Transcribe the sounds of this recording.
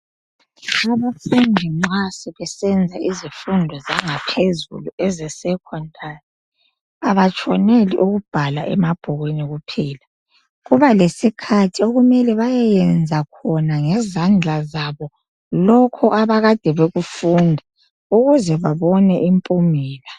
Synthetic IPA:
aβafɛŋʱiŋ͡ǃasiβɛsɛnd͡zʱaʔizifundʱɔzaŋapʰezṵluɛzɛsɛkʰɔntʰʼari | aβat͡ʃʰʼɔnelḭʔuɣub̥ʱalaʔɛmab̥ʱɔɣweniɣupʰiːla | ɣuβalesikʰatʰioɣumɛlɛβajɛjɛnd͡zʱakʰɔnaŋɛzand͡ɮʱazaβɔ | lɔkʰɔʔaβaɣad̥ʱɛβeɣufundʱɛ | uɣuzɛβaβɔnɛʔimpʼumiːla

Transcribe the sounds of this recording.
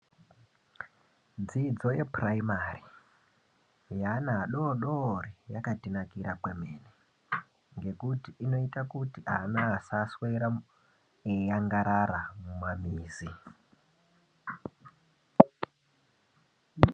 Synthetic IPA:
d͡zid͡zo̞je̞praimari | janaːɗoɗorijakatinakiɾapwemeːne | ŋɡe̞kutiino̞itakutianaːsasweɾa | ejaŋɡaɾaɾamumamiːzi

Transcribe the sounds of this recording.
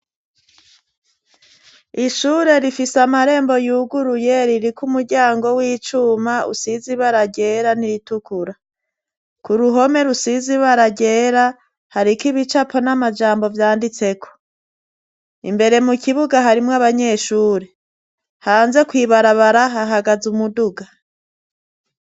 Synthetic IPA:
iʃuːɾe̞ɾifisamaɾe̞ːmbo̞juːɡuɾuje̞ɾiɾikumuɾɟaːŋɡo̞wiːt͡ʃumaʔṵsiziβaɾaɟe̞ːɾaniɾitukuɾa | kuɾuɦo̞me̞ɾusiziβaɾaɟe̞ːɾa | haɾikiβit͡ʃapo̞namad͡ʒaːmbo̞vjaːndit͡se̞kʰo̥ | ḭmbe̞ɾe̞mukiβuɡaɦaɾimŋaβaɲe̞ʃuːɾe̞ | haːnze̞kwiːβaɾaβaɾaɦaɦaɡazumuduɡa

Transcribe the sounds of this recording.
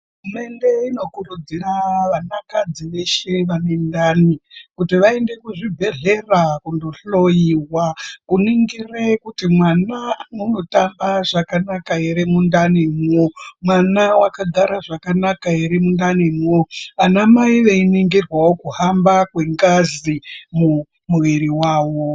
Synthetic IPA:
ɦuume̞nde̞ino̞kurud͡ziraʋanakad͡ziʋe̞ʃe̞ʋanendaːnikutiʋae̞nde̞kuʐibʱe̞ɮe̞rakundoɬo̞jiwakuniŋɡire̞kutimwananuno̞tambaʐakanakaeɾemundanimwomwanawakaɡʱaɾaʐakanakaiɾimundanimwoanamaiʋe̞iniŋɡirwawokuhambakwe̞ŋɡazimu | muʋiɾiwaːwo̞

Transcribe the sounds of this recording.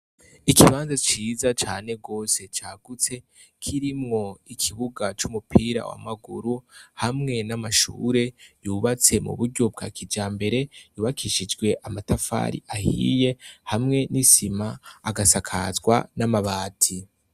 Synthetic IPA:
ikiβaːnzat͡ʃiːzat͡ʃaːne̞ɡo̞ːse̞t͡ʃaːɡ̥ut͡se̞ | kʰiɾimŋo̞ikʰiβuɡat͡ʃumupʰiːɾa̰wa̰maɡuɾuhamŋe̞namaʃṵːɾe̞juːβat͡se̞mṵβuɾɟo̞b̚ɡa̰ːkʰid͡ʒaːmbe̞ɾe̞juːβakʰiʃid͡ʒɡwe̞ʔamatafa̰ːɾḭahḭːje̞hamŋe̞nisimaːɡasakʰa̰zɡwa̰namaβaːtʰi

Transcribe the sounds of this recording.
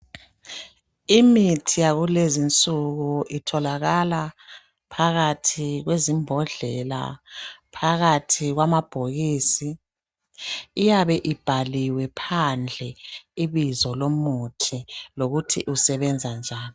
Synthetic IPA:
imitʰijaɣulezint͡sʼuɣuʔitʰɔlaɣala | pʰaɣatʰiɣwezimbʱɔɮɛla̰pʰaɣatʰiɣwamab̥ʱoɣiːsi | jaβɛʔib̥ʱaliwɛpʰand͡ɮʱɛiβizɔlomutʰiloɣutʰḭʔusɛβɛnd͡zʱand͡ʒʱaːlɔ

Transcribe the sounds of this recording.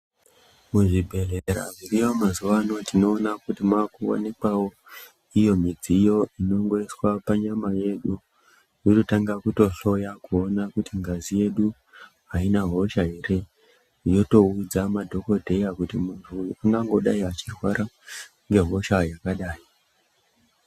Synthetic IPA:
muʐibʱe̞ɮeɾa̰miriʋomazuʋano̞tino̞ːnakutimakuwo̰nekwawo̞ | ijo̞mid͡zijo̞ino̞ŋɡo̞iswapaɲamaje̞ɗu | jototaŋɡakuto̞ɬo̞jakuonakutiŋɡazije̞ɗu | ɦainaɦo̞ʃaɦere̞ | jo̞to̞ud͡zamadʱo̞ko̞dʱe̞jakutimuntʰuaŋɡaŋɡo̞ɗaiat͡ʃirwa̰ɾa | ŋɡe̞ɦo̞ʃajakaɗaːji

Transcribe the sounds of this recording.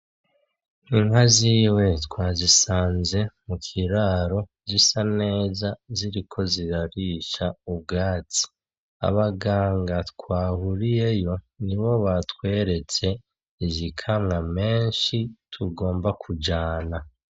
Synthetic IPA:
iŋaziːwe̞tkwaːzisaːnze̞mukʰiɾaːɾo̞ | zisane̞ːzaziɾikʰo̞ziɾaɾiːʃaub̚ɡaːt͡si̥ | a̰βaɡaːŋɡatkwaːhuɾije̞jo̞ | niβo̞βatkwe̞ːɾe̞t͡se̞ | izikʰamŋame̞ːnʃitʰuɡo̞ːmbakʰud͡ʒaːna

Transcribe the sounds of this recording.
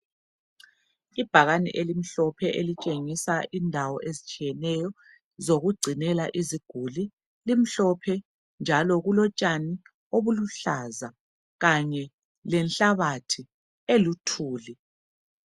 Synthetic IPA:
ib̥ʱaɣanɛ̰ʔelim̩ɬɔpʰɛʔelit͡ʃʼeŋisaʔindʱawɔʔezit͡ʃʼiɛnɛjɔ | zoɣuɡ͡ǀʱinɛlaʔiziɡ̥ʱuli | lim̩ɬɔpʰɛ | nd͡ʒʱalɔɣulɔt͡ʃʼani | oβuluɬaza | ɣaɲɛ | lɛnɬaβatʰi | elutʰuːli

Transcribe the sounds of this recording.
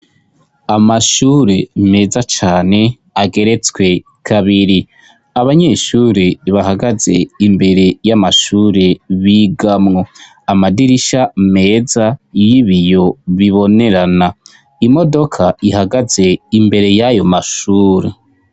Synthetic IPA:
amaʃuːɾe̞me̞ːzat͡ʃaːne̞ | aɡe̞ɾe̞t͡swe̞ | kʰaβiɾi | aβaɲe̞ʃuːɾeβahaɡaze̞imbe̞ɾe̞jamaʃuːɾe̞βiːɡamŋo̞ | amadiɾiʃame̞ːzajiβijo̞βiβo̞ne̞ɾana | imo̞do̞kʰaʔihaɡaze̞imbe̞ɾe̞jajo̞maʃuːɾe

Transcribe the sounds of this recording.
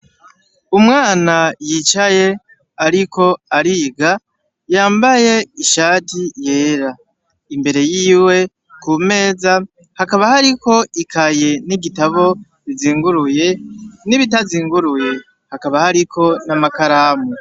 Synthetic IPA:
umŋaːnajit͡ʃaje̞ | aɾikʰo̞aɾiɡa | jaːmbaje̞iʃaːtije̞ːɾa | imbe̞ɾe̞jiːwe̞ | kume̞ːza | hakaβahaɾiko̞ikʰaje̞niɡitaβo̞ | iziːŋɡuɾujeniβitaziːŋɡuɾuje̞ | hakaβahaɾikʰo̞namakaɾamu

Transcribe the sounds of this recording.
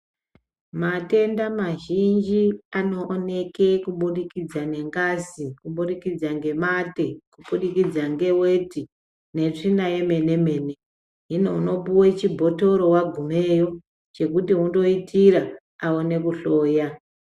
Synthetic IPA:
mate̞ndamaʒind͡ʒiano̞ʔːne̞ke̞kuɓuɗikid͡zane̞ŋɡazikuɓuɗikid͡zaŋɡe̞mate̞kuɓuɗikid͡zaŋɡe̞weti | ne̞t͡ʂinaje̞me̞ne̞me̞ːne̞ | ɦinouno̞puwet͡ʃibʱo̞to̞ɾo̞waɡʱume̞ːjo̞ | t͡ʃe̞kutiɦundo̞itʰiɾaː | wone̞kuɬo̞ːja

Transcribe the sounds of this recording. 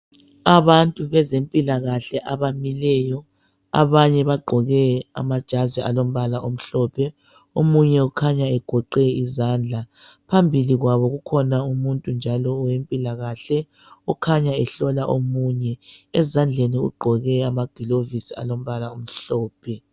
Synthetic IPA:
aβantʼuβɛzempʼilaɣaɬɛʔaβamilɛːjɔ | a̰βaɲɛβaɡ͡ǃʱɔɣɛa̰mad̥ʒ̥ʱaziʔa̰lom̩βalaʔom̩ɬɔpʰɛ | omuɲɛukʰaɲaɛɡ̥ʱɔǃɛizaːnd͡ɮʱapʰambʱiliɣwaβɔɣukʰɔnaumuntʼund͡ʒʱalɔːwempʼilaɣaɬɛ | ɔkʰaɲaɛɬɔlaʔomuɲɛɛzand͡ɮʱeniṵɡ͡ǃʱɔɣɛamaɡ̥ʱilovisia̰lom̩βalaom̩ɬɔːpʰɛ

